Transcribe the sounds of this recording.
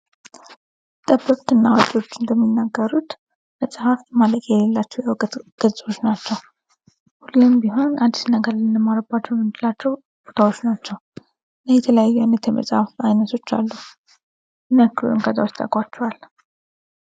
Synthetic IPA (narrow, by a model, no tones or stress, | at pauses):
t̪ʼəbɨkʼt̪ɨnːawat͡ʃʼwo̞t͡ʃːɨnd̪əmːinːaɡːəɾut̪ | məsʼhafmaləkʼjɛlelːat͡ʃːɛwjɛwkʼt̪ɡ̥əzʼo̞t͡ʃːnat͡ʃːɛw | hulːɨmbiɦo̞nʔad̪ːisnəɡəɾlɨnəmːaɾəbːat͡ʃːɛwmɨnd͡ʒ̪lat͡ʃːɛw | b̥o̞t̪ʰawo̞t͡ʃːnat͡ʃːɛw | ləjɛt̪ʰələjajːujajnət̪jɛmʔə̰sʼahafajnət̪ʰo̞t͡ʃːa̰lːu | nəkːɨlṵɨŋkʰʼət̪ʼawot͡ʃt̪ʼə̰kʼwat͡ʃːɛwal